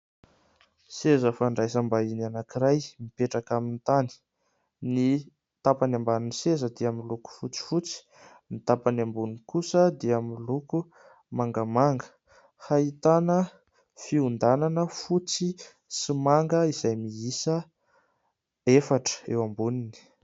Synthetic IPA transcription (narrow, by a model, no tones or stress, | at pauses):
sezəfaɳɖ͡ʐajsambainanakiɾajmipeʈ͡ʂakamint̪ani̥ | ni | t̪apanambanunisezəd̪iamiluku̥fut͡si̥fut͡si̥ | mit̪apanambunikusəd̪iamiluku | maŋɡəmaŋɡə | hait̪anə | fiund̪ananəfut͡si | simaŋɡəiz̥ajmiisə | efaʈ͡ʂə̥ḛwambunini̥